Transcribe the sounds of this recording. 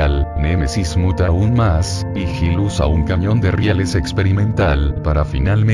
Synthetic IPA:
alnemesizmut̪aunmas | ixilusa̰uŋkaɲõ̞nd̪erjalesekspeɾimẽ̞nt̪alpaɾafḭnalm

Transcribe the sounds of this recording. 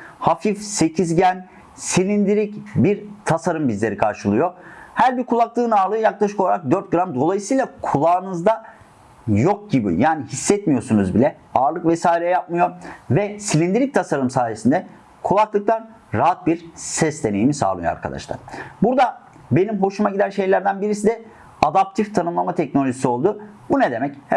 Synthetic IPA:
hafifse̞cʰizɟæn | silʲind̪iɾicbiɾt̪ʰasaɾɯmbizlʲe̞ɾikʰaɾʃɯlˠɯjo̞hæɾbiɾkʰulˠaklˠɯːnaːɾlˠɯjaklˠaʃɯ̥ko̞lˠaɾak̚d̪øɾt̪̚ɡɯɾamd̪o̞lˠajɯsɯjlˠakʰulˠaːɯnɯzd̪a | jok̚ɟibḭjaːnihisːɛt̪mijo̞sunuzbilʲɛ | aːɾlˠɯkvɛsaːilʲɛjap̚mɯjovɛsilʲind̪iɾʲic̚t̪ʰasaɾɯmsaːjesind̪ɛ | kʰulˠaklˠɯk̚t̪ʰan | ɾaɦat̪̚biɾsɛsd̪e̞ne̞jimisa̰ːlˠɯjo̰a̰ɾkʰa̰d̪a̰ʃlˠa̰ɾ̥buɾd̪a | be̞nimɦo̞ʃumaɟid̪ænʃe̞jlʲæɾd̪ænbiɾisid̪ɛ | ad̪ap̚t̪ʰift̪ʰanɯmlˠamat̪ʰɛcnolʲoʒisio̞lˠd̪ʊ | bunɛd̪e̞mɛch

